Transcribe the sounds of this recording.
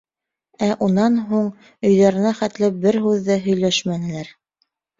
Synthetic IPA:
æʔunɑnɦuɴ | ɵ̆jðɑɾɘ̆næχæt̪lɘp̚bɘɾɦʉðːæɦɵ̆jlæʃmænɘ̆læɾ

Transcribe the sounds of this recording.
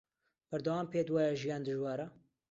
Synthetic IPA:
b̥ɐɾd̪ɐwaːmpeːd̪waːjɐʒijaːnd̪ɨʒwaːɾɐ

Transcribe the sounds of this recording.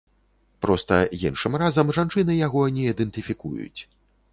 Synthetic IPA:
pɾɔst̪ɐ̰jinʂɨmrazɐmʐant͡ʂɨnɨjaɣɔnʲɛid̪ɛnt̪ɨfʲikṵjṵt͡sʲ

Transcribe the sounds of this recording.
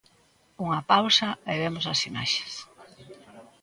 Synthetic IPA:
uŋɐpawsɐɛβɛmʊsɐsima̰ʃe̥s

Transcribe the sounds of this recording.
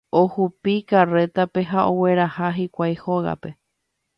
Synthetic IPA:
ohupikare̞t̪ape̞ɦaʔowe̞ɾahaɦikʷajhoɣa̰pe̞

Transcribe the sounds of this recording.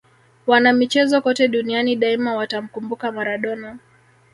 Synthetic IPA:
wanamit͡ʃɛzɔkɔtɛɗunianiɗaimawatam̩kumbukamaɾaɗɔna

